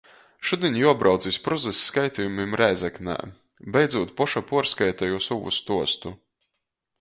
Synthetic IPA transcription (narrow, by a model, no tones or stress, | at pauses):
ʃud̪ʲinʲjuɔbɾʔawd̪zʲispɾɔzɛsːkajt̪ʲijumimɾajzɛknæ̰ː | bɛjd̪zuɔt̪pɔʃapuɔɾskajt̪ajusuvṵst̪uɔst̪u